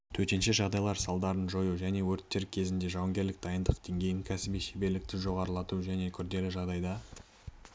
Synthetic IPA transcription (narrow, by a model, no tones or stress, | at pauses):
t̪ʰɵɾt̪enʃɪʒɑʁd̪ɑjlˠɑɾsɑlˠd̪ɑɾənʒo̞juʒæne̞wɵɾt̪ːe̞ɾkʲʰe̞zɪnd̪e̞ʒɑwɑŋɡʲe̞ɾlɪk̚d̪ɑjənd̪əqd̪̥e̞ŋɡʲe̞jɪŋkʲʰæsɪbijʃebe̞ɾlɪk̚t̪ɪʒo̞ʁɑɾəlˠɑt̪uʒæne̞kʲʰʏɾd̪e̞lɪʒɑʁd̪ɑjd̪ɑ